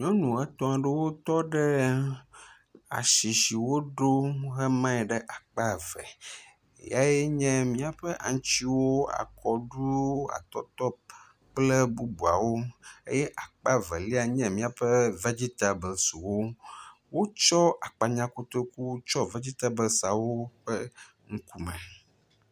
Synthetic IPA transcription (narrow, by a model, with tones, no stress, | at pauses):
ɲɔ̃˦nũ˨a˦t̪ɔ̃˦a˨ɖe˦wo˦t̪ɔ˦ɖe˦ | a̰˨ʃi˨ʃi˨wo˦ɖo˦ɦe˦mã˦ɛ˨ɖɛ˦ʔa˨k͡pa˦vɛ̰˨ | ja˦je˦ɲɛ̃˦mĩ˦a˨ɸɛ˦ʔa̰˨ŋ̃˦t͡ɕi˦wo˦a̰˨kʰɔ˨ɖu˦a̰˨t̪ɔ˦t̪ɔ˦p̚ | k͡plɛ˦bu˦bu˨a̰˨wo˦ḛ˦jɛ˦ʔa˨k͡pa˦vḛ˨li˦a˨ɲɛ̃˦mĩ˦a˨ɸe˦ve˦d͡ʑi˦t̪a˨bɛ˨lsu˨wo˦wo˦t͡ʃɔ˦a˨k͡pa˨ɲã˦ko˦t̪o˦ku˦t͡ʃɔ˦ve˦d͡ʑi˦t̪a˦be˨sa˨wo˦ɸɛ˦ | ŋ̩˦ku˦mɛ̰̃˨